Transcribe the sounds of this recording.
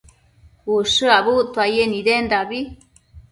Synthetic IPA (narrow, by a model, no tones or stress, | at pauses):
kuʂɨaβut̪wajenid̪end̪aβi